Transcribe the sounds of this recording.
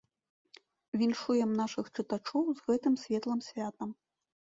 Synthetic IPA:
vʲinʂujɛmnaʂɨxt͡ʂɨt̪at͡ʂɔwzɣɛt̪ɨmsʲvʲɛt̪lˠɐmsʲvʲat̪ɐm

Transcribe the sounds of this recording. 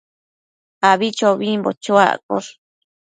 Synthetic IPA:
aβit͡ʃoβĩmbo̰t͡ʃua̰ko̰ɾ

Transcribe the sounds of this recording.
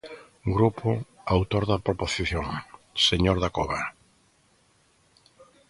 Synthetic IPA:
ɡɾupʰʊawt̪oɾðɐpɾoposiθjoŋseɲoɾðakoβa

